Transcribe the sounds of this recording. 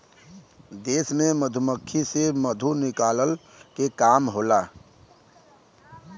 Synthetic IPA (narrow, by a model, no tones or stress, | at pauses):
d̪eːsmẽməd̪ʱuməkʰːiseməd̪ʱunɪkaːləl | kekaːmɦoːla